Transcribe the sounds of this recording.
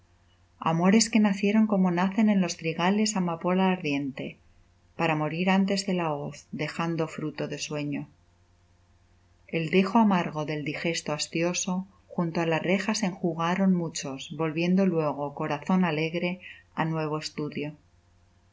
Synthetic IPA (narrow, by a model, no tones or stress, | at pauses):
a̰mo̞ɾe̞ske̞naθje̞ɾo̞ŋko̞mo̞naθe̞ne̞nlo̞st̪ɾiɣale̞samapo̞laːɾðje̞nt̪e̞ | paɾamo̞ɾiɾant̪e̞zðe̞laoθd̪e̞xand̪o̞fɾut̪o̞ðe̞swe̞ɲo̞ | e̞ld̪exoamaɾɣo̞ðe̞ld̪ixe̞st̪oast̪jo̞so̞ | xunt̪oalare̞xase̞ŋxuɣaɾo̞nmut͡ʃo̞sbo̞lβje̞nd̪o̞lwe̞ɣ̞o̞ko̞ɾaθo̞nale̞ɣɾe̞anwe̞β̞oe̞st̪uðjo̞